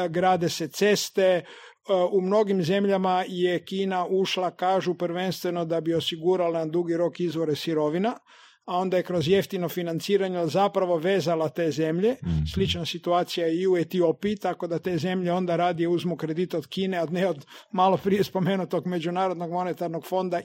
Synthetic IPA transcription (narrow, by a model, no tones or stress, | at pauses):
ɡɾaːd̪e̞set̪se̞st̪e̞ | umno̞ɡimze̞mʎamajekiːnaʔuʃlakaːʒupɾʋe̞nst̪ʋe̞nod̪abio̞siɡuɾaland̪uɡiɾo̞kizʋo̞ɾesiɾo̞ʋina | ao̞nd̪ajekɾo̞zje̞ft̪inofinant̪siːɾaɲezapɾaʋo̞ʋeːzalat̪e̞ːzemʎe̞slit͡ʃnasit̪uaːt̪sijaiuet̪iopiːt̪ako̞d̪at̪e̞ːze̞mʎeo̞nd̪aɾaːd̪ijeuzmukɾe̞d̪it̪od̪̥kiːnead̪neod̪malˠo̞pɾije̞spo̞me̞nut̪o̞ɡme̞d͡ʒunaːɾod̪no̞ɡmo̞ne̞t̪aɾnoɡfo̞nd̪a